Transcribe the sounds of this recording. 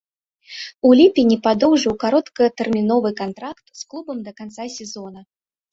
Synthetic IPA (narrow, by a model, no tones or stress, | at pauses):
ulʲipʲinʲipad̪ɔwʐɨwkaɾɔt̪kɐt̪ɛrmʲinɔvɨkant̪ɾakt̪sklˠubɐmd̪ɐkant̪sasʲɛzɔnɐ